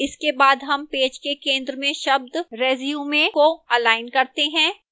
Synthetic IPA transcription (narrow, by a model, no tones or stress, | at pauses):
ɪskebaːd̪ɦɐmpeːd͡ʒkekẽːnd̪ɾəmẽʃɐb̚d̪ɾeːzijumẽkoɐlaːɪnkɐɾt̪eɦɛ̃ː